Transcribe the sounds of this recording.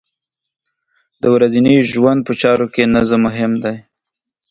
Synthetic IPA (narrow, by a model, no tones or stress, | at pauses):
d̪əwɾaziniʒwand̪̚pət͡ʃɑɾokenəzəmʊɦɪmd̪aj